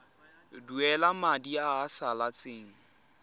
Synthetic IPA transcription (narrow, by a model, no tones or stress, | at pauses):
duɛlamadiaːsalat͡sʼeːŋ̩